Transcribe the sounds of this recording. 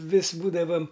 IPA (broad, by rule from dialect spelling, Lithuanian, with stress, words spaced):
ˈʋʲɪs ˈbuːdɐʋɐm